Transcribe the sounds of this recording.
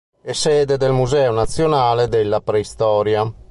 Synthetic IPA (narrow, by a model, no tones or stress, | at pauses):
ɛsɛːd̪ed̪elmuzɛːonat̪sːjonaːled̪elːapɾɛist̪ɔːɾja